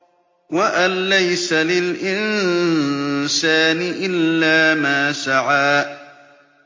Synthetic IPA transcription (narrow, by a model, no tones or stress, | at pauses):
waʔanːajsalɪlʔɪn | saːnɪʔɪlːaːmaːsaʕaː